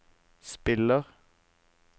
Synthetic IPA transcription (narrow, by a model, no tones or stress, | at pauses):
spɪləʁ